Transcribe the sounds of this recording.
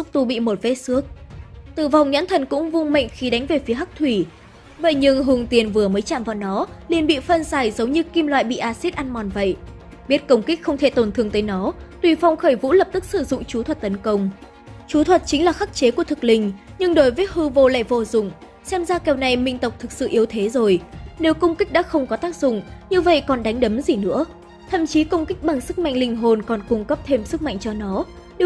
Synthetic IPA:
zʊ˦˥k͡p̚t̪u˧˩ɓḭ˧˨mo˨˩t̚vḛ˧˦˥sɨ˦˥ək̚t̪ɨ˨˩va˨˩wŋ͡mɲa̰˧˥nt̪ʰə˨˩nkʊ̰˧˥ŋ͡mvʊ˧ŋmə̰˧˨jŋ̟xi˨˦ɗa˨˦ŋ̟ve˨˩fi˨˦əɦa˦˥k̚t̪ʰwi˧˩ | və̰˧˨jɲɨ˧ŋɦʊ˨˩ŋ͡mt̪i˨˩ənvɨ˨˩əməː˨˦jt͡ɕa̰ː˧˨mvaː˨˩wnɔ˨˦li˧˩ənɓḭ˧˨fə˧nzaː˧˩jzə˨˦wɲɨ˧ki˧mlwa̰ː˧˨jɓḭ˧˨ʔaː˧si˦˥t̚ʔa˧nmɔ˨˩nvə̰˧˨jʔ | ɓi˦˥ət̚kə˧wŋ͡mkï˦˥k̟̚xə˧wŋ͡mt̪ʰe˧˩t̪o˨˩nt̪ʰɨ˨˩əŋt̪əː˨˦jnɔ˨˦t̪wi˧˩fa˨˧wŋ͡mxəː˧˩jvṵ˧˥lə˨˩p̚t̪ɨ˦˥k̚sɨ˧˩zʊ̰˧˨ŋ͡mt͡ɕu˨˦t̪ʰwə˨˩t̚t̪ə˨˦nkə˧wŋ͡m | t͡ɕu˨˦t̪ʰwə˨˩t̚t͡ɕï˨˦ŋ̟laː˨˩xaː˦˥k̚t͡ɕe˨˦ku˧˩ət̪ɨ˨˩k̚lï˧˩ŋ̟ɲɨ˧ŋɗo˨˦jvəː˨˦jɦɨ˧vo˧la̰ː˧˨jvo̰˧zʊ̰˨˩ŋ͡m | sɛ˧mzaː˧kɛ˨˩wna˨˩jmï˧˩ŋ̟t̪ə˨˩wk͡p̚t̪ʰɨ˨˩k̚sɨ̰˧˨ʔi˨˦wt̪ʰe˨˦zo˨˩jne˨˦wkə˧wŋ͡mkï˦˥k̚ɗa̰ː˧˥xə˧wŋ͡mkɔ˨˦t̪aː˦˥k̚zʊ̰˧˨ŋ͡mɲɨ˧və̰˧˨jkɔ˨˩nɗa˨˦jŋ̟ɗə˨˦mzi˨˩nɨ̰˧˥ə | t̪ʰə̰˧˨mt͡ɕi˨˦kə˧wŋ͡mkk̟̚ɓa˨˩ŋsɨ˦˥k̚ma̰˧jŋ̟lï˧ŋ̟ɦo˨˩nkɔ˨˩nkʊ˧ŋ͡mkə˦˥p̚t̪ʰe˧msɨ˦˥k̚ma̰˧jŋt͡ɕɔ˧nɔ˨˦ | ɗ

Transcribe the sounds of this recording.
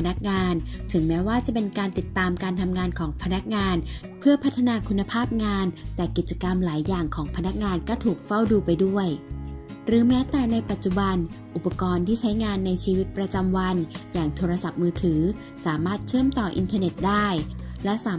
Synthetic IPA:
na˦˥k̚ŋaː˧nt̪ʰɯ˩˦ŋmɛː˦˥waː˥˩t͡ɕa˨˩pe˧nkaː˧nt̪i˨˩t̪ːaː˧mkaː˧nt̪ʰa˧mŋaː˧nkʰɔː˩˦ŋpʰa˧na˦˥k̚ŋaː˧n | pʰɯ˥˩ɐpʰa˦˥t̪ʰːa˧naː˧kʰu˧nːa˧pʰaː˥˩p̚ŋaː˧nt̪ɛː˨˩ki˨˩t̪̚t͡ɕa˧ka˧mlaː˩˦jːaː˨˩ŋkʰɔː˩˦ŋpʰa˧na˦˥k̚ŋaː˧nkɔː˥˩t̪ʰuː˨˩k̚fa˥˩wduː˧pa˧jdu˥˩əj | ɾɯː˨˩˦mɛː˦˥t̪ɛː˨˩na˧jpa˨˩t̪̚t͡ɕu˨˩ba˧n | ʔu˨˩pːa˧kɔː˧nt̪ʰiː˥˩t͡ɕʰa˦˥jŋaː˧nːa˧jt͡ɕʰiː˧wi˦˥t̪̚pɾa˧t͡ɕa˧mwa˧njaː˨˩ŋt̪ʰoː˧ɾa˧sa˨˩p̚mɯː˧t̪ʰɯː˩˦ | saː˩˦maː˥˩t̪̚t͡ɕʰɯ˥˩əmt̪ɔː˨˩ʔḭ˧nt̪ʰaː˧ne˨˩t̪̚daː˥˩jlɛ˦˥saː˨˦

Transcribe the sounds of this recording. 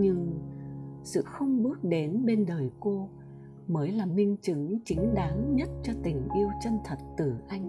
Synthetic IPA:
ɲɨ˧ŋ | sɨ̰˧˨xə˧wŋ͡mɓɨ˦˥ək̚ɗe˨˦nɓe˧nɗəː˨˩jko˧ | məː˨˦jlaː˨˩mï˧ŋ̟t͡ɕɨ˨˦ŋt͡ɕï˨˦ŋ̟ɗaː˨˦ŋɲə˦˥t̚t͡ɕɔ˧t̪ï˨˩ŋ̟ʔi˧əwt͡ɕə˧nt̪ʰə˨˩t̚t̪ɨ˧˩ʔa˧jŋ̟

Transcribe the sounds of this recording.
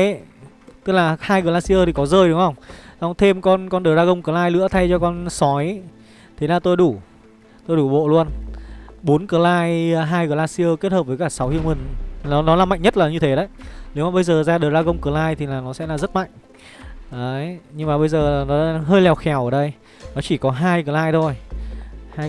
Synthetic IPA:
t̪ɨ˦˥k̚laː˨˩haː˧jɣəː˨˩laː˧si˧ʔəː˧t̪ʰi˨˩kɔ˨˦zəː˧jɗʊ˨˦ŋ͡mhə˧wŋ͡mwŋ͡mt̪ʰe˧mkɔ˧nkɔ˧nɗəː˨˩zaː˧ɣə˧wŋ͡mkəː˧˩laː˧jlɨ̰˧˥ət̪ʰa˧jt͡ɕɔ˧kɔ˧nsɔ˨˦j | t̪ʰe˨˦laː˨˩t̪o˧jɗu˧˩ | t̪o˧jɗu˧˩ɓo̰˧˨lu˧ən | ɓo˨˦nkəː˨˩laː˧jɦaː˧jɣəː˨˩laː˧si˧əː˧ke˦˥t̚həː˨˩p̚vəː˨˦jkaː˧˩sa˨˦whi˧əŋmi˨˩ŋ̟nɔ˨˦nɔ˨˦laː˨˩ma̰˧˨jŋ̟ɲə˦˥t̚laː˨˩ɲɨ˧t̪ʰe˨˦ɗə̰˧˦jne˨˦wmaː˨˩ɓə˧jzəː˨˩zaː˧ɗəː˨˩za˧ɣə˧wŋ͡mkəː˨˩laː˧jt̪ʰi˨˩laː˨˩nɔ˨˦sɛ̰˧˥laː˨˩zə˦˥t̚ma̰˧˨jŋ̟ | ʔəː˨˦jɲɨ˧ŋmaː˨˩ɓə˧jzəː˨˩˨nɔ˨˦ɗaː˧˥ɦəː˧jlɛ˨˩wxɛ˨˩˦wʔəː˧˩ɗə˧j | nɔ˨˦t͡ɕi˧˩kɔ˨˦ɦaː˧jkəː˨˩laː˧jt̪ʰo˧j | haː˧

